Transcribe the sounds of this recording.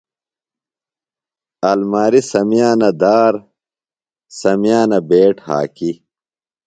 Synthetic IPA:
ɐlmaːɾisɐmjaːnɐd̪aːɾ | sɐmjaːnɐbeːʈha̰ːki

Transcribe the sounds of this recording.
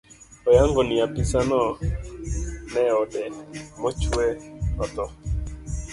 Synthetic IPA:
ɔjaŋɡɔniapisanɔ | nɛɔɗɛmɔt͡ʃuɛɔt̪ɔ

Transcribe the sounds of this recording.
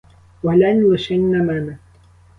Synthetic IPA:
walanjʊʃɪnːamana

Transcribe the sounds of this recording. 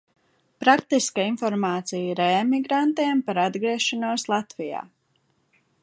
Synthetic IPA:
pɾak̚t̪iskainfɔɾmaːt̪sijiɾɛmiɡɾant̪iːmpaɾad̪ɡɾiɛʃanuɔslˠat̪vija̰ː

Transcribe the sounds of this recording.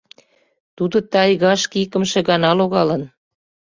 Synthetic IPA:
t̪ud̪ŏt̪ɑjɣɑʃkikə̆mʃĕɣɑnɑloɣɑlən

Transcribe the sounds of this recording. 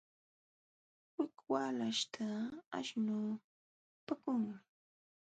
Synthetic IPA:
wɪkwaːlaʃt̪ʰaa̰ʃnu | pakʊŋmɪ

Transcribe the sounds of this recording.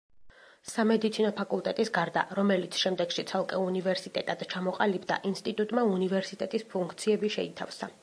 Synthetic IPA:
samɛd̪it̪sʰinɔpʰakʼulˠt̪ʼɛt̪ʼisɡaɾd̪a̰ɾɔmɛlit̪sʰʃɛmd̪ɛɡ̥ʃit̪sʰalˠkʼɛunivɛɾsit̪ʼɛt̪ʼad̪̥t͡ʃʰamɔqʼalibd̪a̰ʔinst̪ʼit̪ʼut̪ʼmaunivɛɾsit̪ʼɛt̪ʼispʰuŋk̚ʰt̪sʰiɛbiʃɛit̪ʰa̰fsa

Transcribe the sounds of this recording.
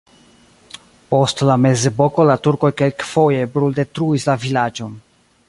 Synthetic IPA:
po̞stlame̞ze̞bo̞ko̞latuɾko̞jke̞lkfo̞je̞bɾulde̞tɾuislavilad͡ʒo̞n

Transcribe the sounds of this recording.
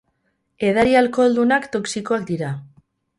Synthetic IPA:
e̞ð̞aɾialko̞eld̪unakt̪o̞ksiko̞akd̪iɾa

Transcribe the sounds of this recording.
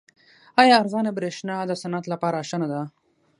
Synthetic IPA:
ɑjɑːɾɣɑnebɾeʃnɑd̪əsanat̪lapɑːɾaʃanad̪a

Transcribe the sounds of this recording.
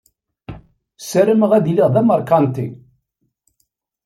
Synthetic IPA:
səɾəməʁæðiliʁðæməɾˤkɑnt̪ḭ

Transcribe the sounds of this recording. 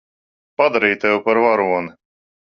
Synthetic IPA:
pad̪aɾiːt̪ɛwpaɾvaɾuɔni

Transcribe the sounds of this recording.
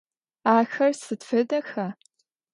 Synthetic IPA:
axɐrsɨdfɨdaxa

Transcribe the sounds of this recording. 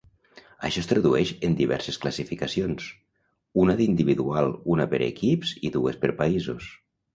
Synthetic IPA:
a̰ʃɔst̪ɾaðuɛʃend̪iβ̞ɛ̰ɾsesklasifikasions | unaðind̪iβiðualˠunapeɾḛkipziðuespeɾpaizo̰s

